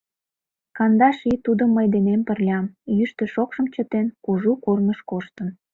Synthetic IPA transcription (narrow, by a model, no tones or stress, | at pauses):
kɑnd̪ɑʃit̪ud̪əmːəjd̪enempərlʲɑmjyʃt̪ø̆ʃokʃəmt͡ɕət̪enkuʒukurməʃkoʃt̪ən